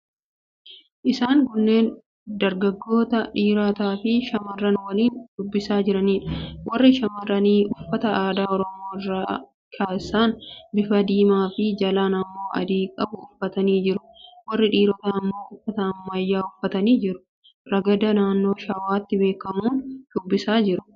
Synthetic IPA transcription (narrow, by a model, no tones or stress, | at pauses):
ʔɪsaːŋkʊnːeːn | d̪ɐɾɡɐɡːo̞ːt̪ɐᶑiːɾaːt̪aːfɪʃɐmɐrːɐnwɐliːnd̪̥ʊbːɪsaːd͡ʒɪɾɐniːᶑɐ̥wɐrːɪʃɐmɐrɐniːʔʊfːɐt̪ɐaːd̪aːɔɾɔmo̞ːɪrːaː | kʰaːsːaːnbɪfɐd̪iːmaːfɪd͡ʒɐlaːnɐmːo̞ːʔɐ̰d̪iːkʼɐbʊʊfːɐt̪ɐniːd͡ʒɪɾʊ̥wɐrːɪᶑiːɾɔt̪ɐɐmːo̞ːʔʊfːɐt̪ɐːmːɐjːaːʊfːɐt̪ɐniːd͡ʒɪɾʊ̥ | ɾɐɡɐd̪ɐnaːnːo̞ːʃɐwaːt̪ːɪbe̞ːkːɐmuːnd̪̥ʊbːɪsaːd͡ʒɪɾʊ̥